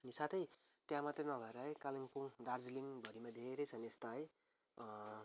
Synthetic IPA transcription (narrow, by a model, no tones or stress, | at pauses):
ʌnisat̪ʰʌj | t̪jãmat̪rʌnʌbʱʌeɾʌɦʌjkaliŋpuŋdard͡zliŋbʱʌɾimad̪ʱeɾʌjt͡sʰʌneest̪aʌj